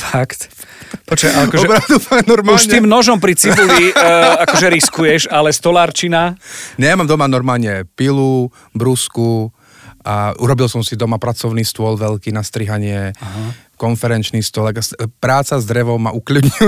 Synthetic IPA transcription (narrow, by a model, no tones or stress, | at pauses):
fakt̪ | pɔt͡ʃɛakɔɔɛbɾad̪umaɛnɔɾmaulʃɲɛiːmnɔʒɔmpɾit͡sibuliakɔʒɛɾiskujɛʃalɛst̪ɔlaːɾt͡ʃinaɲɛamamd̪ɔmanɔɾmaːlɲɛpilu | bɾusku | auɾɔbilsɔmsid̪ɔmapɾat͡sɔʊniːst̪ʊɔlʋɛʎkiːnast̪ɾiɦaɲɪɛaɦakɔnfɛɾɛnt͡ʃniːst̪ʊɔlakaspɾaːt͡sazd̪ɾɛʋɔʊmaʔukʎud̪ɲi